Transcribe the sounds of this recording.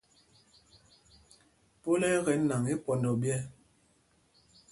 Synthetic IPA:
po˦lɛ˦ɣɛ˨˦n˦na˨ŋe˦pɔ˨ndɔ˨bjɛ˦

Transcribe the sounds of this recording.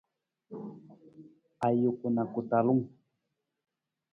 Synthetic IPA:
a˨jʊ˨kʊ˨na˨kʊ˨t̪a˨lu˦ŋ

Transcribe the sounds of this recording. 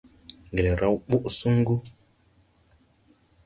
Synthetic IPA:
ŋɡe˨le˨ɾa˦wɓu˦ʔsu˦ŋ˦ɡu˦

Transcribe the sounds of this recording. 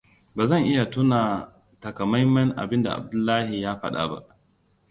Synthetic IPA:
baː˨zɐ˦˨ŋʔɪ˦ja˨tʊ˦naː˨ | tɐ˨kɐ˨mɐ˦jmːɐ˦nʔa̰˨bɪ˦nda̰˨ʔa̰˨b̚dʊ˦lːaː˦hi˨jaː˦ɸɐ̰˦ɗa̰˨ba̰˦ʔ

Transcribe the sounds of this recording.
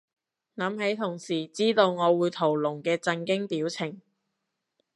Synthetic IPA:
nɐ˨˧˥mhe˨˥jt̪ʰʊ˨˩ŋsiː˨˩t͡siː˥t̪o˧wŋɔː˨˧wuː˨˧jt̪ʰo˨˩wlʊ˨˩ŋkɛː˧t͡sɐ˧nkɪ˥ŋpiː˨˥wt͡sʰɪ˨˩ŋ

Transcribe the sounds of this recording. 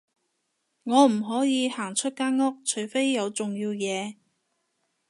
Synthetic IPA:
ŋɔː˨˧m̩˨˩ɦɔː˨˥jiː˨˧haː˨˩ŋt͡ʃʰɵ˥t̚kaː˥nŋɔ˥k̚t͡ʃʰɵ˨˩ɥfe˥jːɐ˨˧wt͡sʊ˨ŋjiː˧wjɛː˨˧

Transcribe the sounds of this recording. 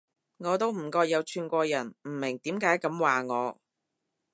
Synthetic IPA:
ŋɔː˨˧t̪̬o˥wm̩˨˩kɔː˧jɐ˨˧wt͡ʃʰyː˨˩nkʷɔː˧jɐ˨˩nm̩˨˩mɪ˨˩ŋt̪iː˨˥mkaː˨˥jkɐ˨˥mwaː˨ŋɔː˨˧

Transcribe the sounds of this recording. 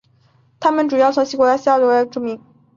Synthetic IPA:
t̪ʰa˥mə˨nʈ͡ʂu˨˩jɑ˥˩ʊt͡sʰʊ˧˥ŋɕi˥kwɔ˧˥la˥ɕi˥a˥˩ljo˧˥a˧˥ɪʈ͡ʂu˨˩mi˧˥˦ŋ

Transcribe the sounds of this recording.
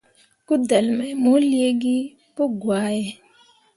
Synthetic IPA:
ku˦d̪ə˨lmɛ˨mo˦li˦e˦ɡi˦ | pu˦ɡwaː˨˦je˨

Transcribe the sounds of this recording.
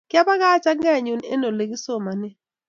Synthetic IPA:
kɪ˦a˦ba˦ɡa˦t͡ʃa˦ŋɡɛ˦˨ɲu˨nḛ˦no˨le˨ɡi˦so˦˨ma˨nɪ˦

